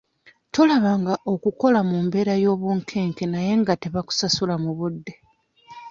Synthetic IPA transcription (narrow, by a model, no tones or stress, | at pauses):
to̞laβaŋɡaʔo̞kuko̞lamuːmbe̞ːɾajo̞ːβuːŋkʰe̞ːŋke̞naje̞ŋɡate̞βaku̥sasulamuβudːe̞